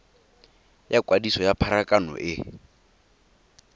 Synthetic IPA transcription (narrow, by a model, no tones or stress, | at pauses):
jakʼwadisɔjapʰaɾakʼanɔ̰ʔɪ